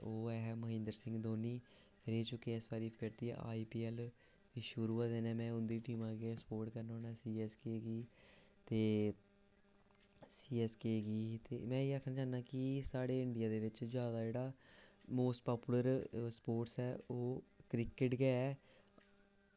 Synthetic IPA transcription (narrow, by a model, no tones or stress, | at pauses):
oːɛɦməɦɪ̃nd̪əɾsɪ̃ŋɡd̪oːniː | ɾeːt͡ʃʊkːeɪsbaːɾiːpʰɪɾt̪ḭːa̰ːiːpiːɛːl | iʃʊɾuːaːd̪eːnɛ̃ːmɛ̃ːʊnd̪iːʈiːmãːɡespoːɾʈkəɾnõːnɛːsiːɛːskeːɡiː | t̪eː | siːɛːskeːɡiːt̪ḛːmɛ̃ːiːaːkʰnaːt͡ʃaːnnaːkɪsaːɽeːɪɳɖɪijaːd̪eːʋɪt͡ʃzjaːd̪aːd͡ʒeːɽaːmoːsʈ̚paːpuːləɾspoːʈsɛːoːkɾɪkɪʈɡɛːɛː